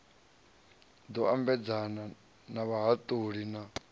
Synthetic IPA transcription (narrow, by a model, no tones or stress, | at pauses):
d̪ɔambɛd͡zana | naβaɦat̪ʼuɺina